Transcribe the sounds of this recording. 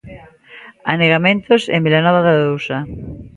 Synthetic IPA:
a̰neɣamẽnt̪ʊsḛmilanɔβaðaðowsɐ

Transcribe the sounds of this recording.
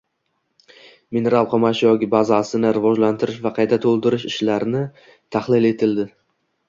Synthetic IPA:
mine̞ɾalˠqʰɒmaʃjɒkʲɪbazasɪnɪɾɪvɒd͡ʒlant̪ʰɪɾɪʃvaqʰɑjt̪ʰat̪ʰolˠd̪ɪɾɪʃɪʃlaɾɪnɪ | t̪ʰaχlɪle̞t̪ʰɪld̪ɪ

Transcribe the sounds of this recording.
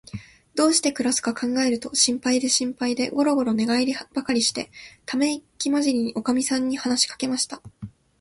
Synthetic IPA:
d̪o̞ːɕi̥t̪e̞kɯ̟ɾasɨ̥kakʰãŋɡae̞ɾɯ̟t̪o̞ɕĩmpaid̪e̞ɕĩmpaid̪e̞ɡo̞ɾo̞ɡo̞ɾo̞ne̞ɡaiɾʲib̥akaɾʲiɕi̥t̪e̞̰t̪ame̞ikʲimaʑiɲʲio̞kamʲisãɲ̟ːihanaɕi̥kḁke̞maɕi̥t̪a

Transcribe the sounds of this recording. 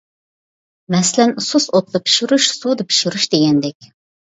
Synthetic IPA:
mɛslɛnsusot̪d̪ɑpʰi̥ʃiɾuʃsud̪ɨpʰi̥ʃiɾuʃd̪eɡʲɛnd̪ɛkʲ

